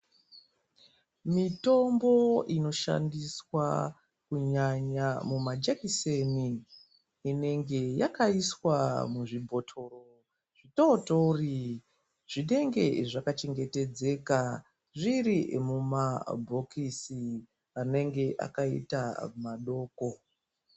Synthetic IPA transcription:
mito̞mbo̞ino̞ʃa̰ndiswa̰ | kuɲaɲamumad͡ʒekiseniː | ne̞ŋɡe̞ja̰kaiswamuʐibʱo̞tʰoro | ʐ̥itotouri | ʐ̥iɗe̞ŋɡe̞̰ʐakat͡ʃe̞ŋɡe̞te̞d͡ze̞ka | ʐiɾimumabʱo̞kisi | ane̞ŋɡe̞ʔa̰kaḭta̰maɗo̞ːko̞

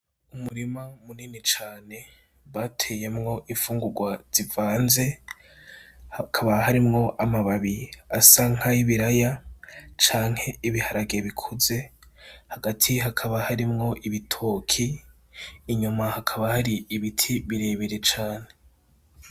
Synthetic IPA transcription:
umuɾimamuniːnit͡ʃaːne̞ | βatʰe̞jemŋo̞ʔifuːŋɡuɡwaz̥ivaːnze̞ | kʰaβahaɾimŋo̞ʔamaβaβiasaŋ̥haiβiɾajat͡ʃaːŋ̥he̞iβihaɾaɡe̞βikʰuze̞haɡatʰiɦakʰaβahaɾimŋo̞ʔiβitʰoːkʰiː | ɲumahakʰaβahaɾiːβitʰiβiɾe̞ːβeɾe̞t͡ʃaːne̞

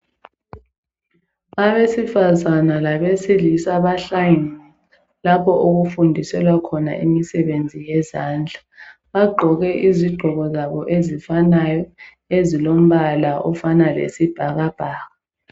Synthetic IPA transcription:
aβesifazanalaβesilisaβaɬajnɛ | lapʰɔʔoɣufundʱisɛlwakʰɔna̰ʔimisɛβend͡zʱijɛzaːnd͡ɮʱa | βaɡ͡ǃʱɔɣɛʔiziɡ͡ǃʱɔɣɔzaβɔʔezifanajɔ | ezilom̩βalaʔɔ̰fanalḛsib̥ʱaɣab̥ʱaːɣa

